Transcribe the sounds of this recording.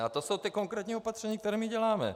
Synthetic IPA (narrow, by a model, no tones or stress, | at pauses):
at̪oso̞wt̪ɪko̞ŋkɾɛːt̪ɲiːopat̪r̥ɛɲiːk̚t̪ɛɾɛːmiɟɛlaːmɛ̰